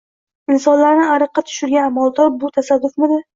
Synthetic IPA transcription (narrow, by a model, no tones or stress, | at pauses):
ɪnsɒnlaɾnɪaɾɨqːɑt̪ʰʊ̥ʃɪɾɡʲaːmalˠd̪ɒɾbʊt̪ʰasad̪ːʊfnɪd̪ɪ